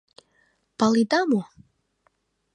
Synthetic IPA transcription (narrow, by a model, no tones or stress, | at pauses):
palid̪amo